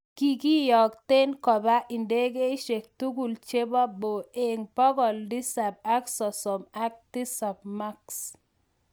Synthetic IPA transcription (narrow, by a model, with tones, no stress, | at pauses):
ki˦ki˦jɔ˨kte˦nkɔ˨ba˦ʔi˨nde˦ɡe˦i˦ʃe˨k̚tu˦ɡu˨lt͡ʃe˦ba˦bo˨e˨ŋpɔ˦ɡɔ˨ldi˦sa˨b̚a˦ksɔ˨sɔ˨ma˦k̚d̥i˦sa˨bma˦ks